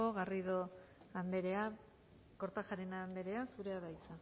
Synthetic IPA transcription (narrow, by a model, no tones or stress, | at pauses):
o̞ɣariðoand̪eɾea | ko̞ɾt̪axaɾenaːnd̪e̞ɾe̞asuɾe̞aðajt͡sa